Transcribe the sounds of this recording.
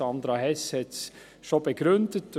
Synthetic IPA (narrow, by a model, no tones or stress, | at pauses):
ɑnd̪ɾɑhɛshɛt | ʃob̥əɡ̥ɾʏndət